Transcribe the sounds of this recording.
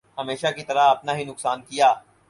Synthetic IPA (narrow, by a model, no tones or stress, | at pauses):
ɦɐmeːʃakit̪ɐɾaɐpnaɦinʊksaːnkijaː